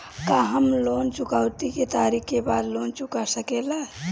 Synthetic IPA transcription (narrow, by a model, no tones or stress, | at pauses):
kaɦəmlont͡ʃukaʊt̪iket̪aɾikʰkebaːd̪lont͡ʃukasəkela